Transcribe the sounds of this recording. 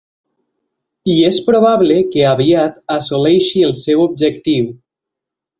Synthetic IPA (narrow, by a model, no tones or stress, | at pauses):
iespɾoβ̞aβlekeaβiat̪asolɛjʃielˠsɛwob̚d͡ʒekt̪iw